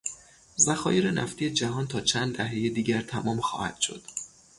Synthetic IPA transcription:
zæxɒːjeɾenæft̪ʰije̞d͡ʒæɦɒːnt̪ʰɒːt͡ʃʰænd̪d̪æɦejed̪iːɟæɾt̪ʰæmɒːmxɒ̰ːhæ̰d̪̥ʃo̞̰d̪̥

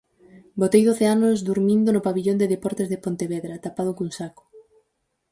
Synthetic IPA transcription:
bot̪ejðoθeanʊzd̪uɾmĩnd̪ʊnʊpaβiʎond̪eðepɔɾt̪ezðepont̪eβɛðɾat̪apað̞ʊkuŋsakʊ̥

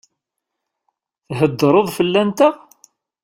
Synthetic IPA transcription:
θɦəd̪ːɾˤəðˤfəlːænt̪æ

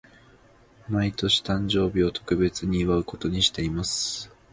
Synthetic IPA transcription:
mait̪o̞ɕi̥t̪ãɲ̟d͡ʑo̞ːbʲio̞t̪o̞̥kɯ̟be̞t͡sɨɲ̟iːβaɯ̟ko̞t̪o̞ɲ̟iɕi̥t̪e̞imasɨ̥

